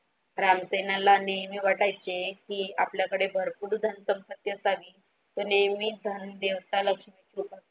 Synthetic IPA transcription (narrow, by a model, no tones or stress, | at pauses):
ɾamsenalanejmiːʋaʈajt͡sekiːapljakəɽebʱəɾpuːɽd̪ʱənsəmpət̪jəsaliː | t̪onejmiːd̪ʱənd̪eʋst̪aləkʂmit͡ɕiupa